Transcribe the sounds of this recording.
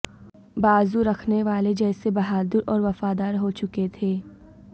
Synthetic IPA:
baːzuɾɐkʰneʋaːled͡ʒɛːsebɐɦaːd̪ɪɾʔɔːɾʋɐfaːd̪aːɾɦot͡ʃʊket̪ʰeː

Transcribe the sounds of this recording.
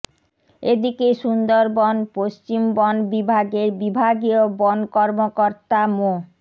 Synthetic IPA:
ed̪ikeʃund̪oɾbɔnpoʃt͡ɕimbɔnbibʱaɡeɾbibʱaɡiobɔnkɔɾmokoɾt̪amo

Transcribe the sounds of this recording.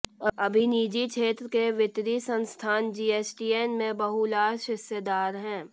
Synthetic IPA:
ɐbʱiniːd͡ʒit͡ʃʰeːt̪ɾəkeʋɪt̪ɾisə̃nst̪ʰaːnd͡ʒiːeːsʈiːeːnmẽbɐɦulaːʃɪsjəd̪aːɾɦɛ̃ː

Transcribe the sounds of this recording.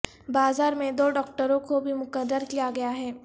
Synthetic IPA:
baːzaːɾmẽd̪oːɖɔːk̚ʈəɾõkobʱimʊkəɾːəɾkijaɡɐjaɦɛː

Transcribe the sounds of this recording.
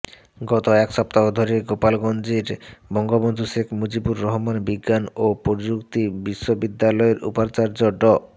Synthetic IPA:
ɡɔt̪oɛkʃɔp̚t̪aɦod̪ʱoɾeɡopalɡond͡ʑiɾbɔŋɡobond̪ʱuʃekʰmud͡ʑibuɾːɔɦmanbiɡːanopoɾd͡ʑukt̪ibiʃːobid̪ːalɔeɾṵpaɾt͡ɕaɾd͡ʑɔɖɔ

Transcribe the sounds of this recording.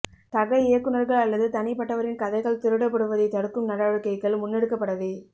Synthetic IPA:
t̪ɐɣɐɪjɐkːɯnɐɾɣɐɭɐlːɐðɯt̪ɐnɪpɐʈːɐʋɐɾɪnkɐðɐɪɣɐɭt̪ɪɾɯɽɐpːɐɽɯʋɐðɐɪt̪ɐɽɯkːɯmnɐɽaːɻɯkːɐɪkːɐɭmʊnːɛɽɯkːɐpːɐɽɐʋeː

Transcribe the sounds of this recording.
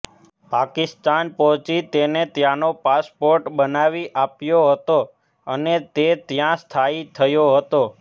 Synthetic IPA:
pakist̪anpɔɦt͡ʃit̪enet̪jãnopaspoɾʈbənaʋiʔapjoɦət̪o | ənet̪et̪jãst̪ʰait̪ʰəjoɦət̪o

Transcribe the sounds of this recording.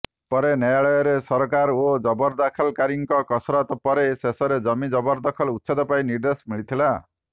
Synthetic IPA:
pɔɾenjajaɭɔjɔɾesɔɾkaɾod͡ʒɔbɔɾd̪akʰɔlkaɾiŋkɔkɔsɾɔt̪ɔpɔɾesesɔɾed͡ʒɔmid͡ʒɔbɔɾd̪ɔkʰɔlut̪ːsʰed̪ɔpaĩniɾd̪esmiɭit̪ʰila

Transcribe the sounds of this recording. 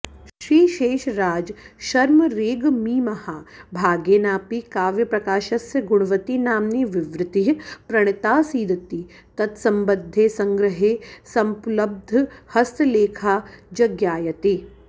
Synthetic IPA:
ʃɾiːʃeːʃɾaːd͡ʒʃɐɾmɐɾeːɡmiːmɐhabʱaːɡeːnaːpikaːʋjɐpɾɐkaːʃɐsjɐɡuɽ̃ɐʋɐt̪inaːmniʋiʋɾɪt̪iɦpɾɐɳ̃it̪aːsiːd̪ɐt̪i | t̪ɐt̪sɐmbɐd̪ʱːeːsɐŋɡɾɐɦeːsɐmplɐb̚d̪ʱhɐst̪leːkʰaːd͡ʒɐɡjaːjɐt̪eː

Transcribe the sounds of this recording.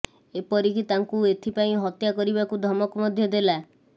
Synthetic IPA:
epɔɾikit̪aŋkuet̪ʰipaĩɦɔt̪jakɔɾibakud̪ʱɔmɔkɔmɔd̪ʱjɔd̪ela

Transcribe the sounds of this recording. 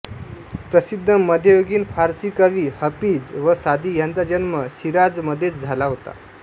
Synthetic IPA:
pɾəsid̪ʱːəməd̪ʱjəjoɡiːnfaɾsikaʋiːhəpiːd͡zʋəsad̪ʱiːjãnt͡sad͡ʑənməɕiɾad͡zməd̪ʱjet͡sd͡zʱalaɦot̪a̰

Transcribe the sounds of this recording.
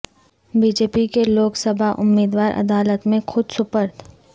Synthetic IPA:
biːd͡ʒeːpikeloːksəbʱaʔʊ̰mːiːd̪waːɾʔɐ̰d̪aːlət̪mẽxʊd̪sʊpəɾt̪

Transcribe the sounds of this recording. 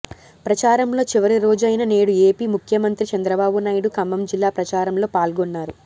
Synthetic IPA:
pɾɐt͡ʃaːɾɐmlo̞ːt͡ʃiʋɐɾiɾo̞ːd͡ʒɐjnɐne̞ːɽue̞ːpiːmukʰjɐmɐnt̪ɾit͡ʃɐnd̪ɾɐbaːbunaːjɽukɐmbɐmd͡ʒilːaːpɾɐt͡ʃaːɾɐmlo̞ːpaːlɡonːaːɾu

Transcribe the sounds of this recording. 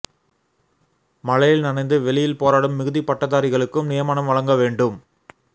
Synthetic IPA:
mɐɻɐjɪlnɐnɐɪnd̪ɯʋɛɭɪjɪlpoːɾaːɽɯmːɪɣɯðipɐʈːɐðaːɾɪɣɐɭɯkːɯmnɪjɐmaːnɐmʋɐɻɐŋɡɐʋeːɳɖɯm

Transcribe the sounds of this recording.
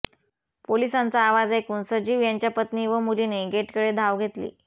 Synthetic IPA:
polisãnt͡saːʋad͡zekuːnsəd͡ʑiːʋjaɲt͡ɕjapət̪niːʋəmuliːneɡeʈkəɽed̪ʱaʋɡʱet̪lḭː

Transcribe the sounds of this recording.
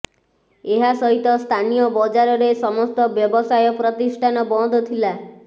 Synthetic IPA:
eɦasɔɦit̪ɔst̪ʰanijɔbɔd͡ʒaɾɔɾesɔmɔst̪ɔbjɔbɔsajɔpɾɔt̪isʈʰanɔbɔd̪ʱɔt̪ʰila

